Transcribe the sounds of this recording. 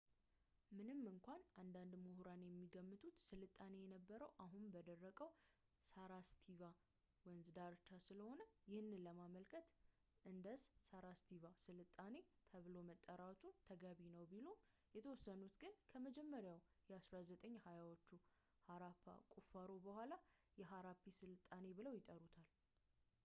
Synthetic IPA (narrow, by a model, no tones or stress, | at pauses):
mɨnɨmːɨŋkʷanand̪and̪muhuɾanjɛmːiɡəmːɨt̪ʼut̪sɨlɨt̪ʼːane̞jɛnəbːəɾəwʔaɦunbəd̪ərːəkʼəw | saɾast̪ʰiva | wɛnzɨd̪aɾt͡ʃ̪ʰːasɨləho̞nəjɪhɨnːɨləmaməlkʰət̪ | ʔɨnd̪əssaɾast̪ʰivasɨlɨt̪ʼːane̞t̪ʰəβɨlo̞mət̪ʼːəɾat̪ʰut̪ʰəɡaβinəwbilo̞ | jɛt̪ʰəwɔsːənut̪ɡɨnkʰəməd͡ʒɛmːəɾjawjɛasɾazət̪ʼəɲːhajawot͡ʃːu | haɾapʰa̰kʼufaɾobəhʷalajɛɦaɾapʰːisɨlɨt̪ʼːane̞bɨləwjɪt̪ʼəɾut̪ʰal